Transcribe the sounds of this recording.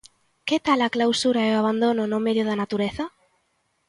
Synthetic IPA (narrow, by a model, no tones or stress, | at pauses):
ket̪alaklawsuɾaɛaβ̞and̪onʊnʊmeðjoðanat̪uɾeθɐ